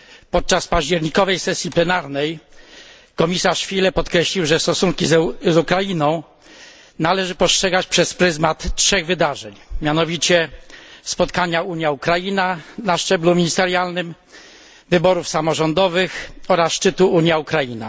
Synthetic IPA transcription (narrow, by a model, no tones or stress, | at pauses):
pɔt̪̚t͡ʂaspaʑd͡ʑɛɾɲikɔvɛjsɛsʲjiplɛnaɾnɛj | kɔmʲisaʂfʲilɛpɔt̪kɾɛɕlʲiwʐɛst̪ɔsuŋkʲizzukɾajinɔ̃w̃ | nalɛʐɘpɔstʂɛɡat͡ɕpʂɛspɾɘzmat̪tʂɛɣvɘd̪aʐɛɲmʲjanɔvʲit͡ɕɛspɔt̪kaɲauɲjaukɾajinanaʂt͡ʂɛblumʲiɲist̪ɛɾjalnɘm | vɘbɔɾufsamɔʐɔnd̪ɔvɘxɔɾasʂt͡ʂɘt̪uuɲjaukɾaina̰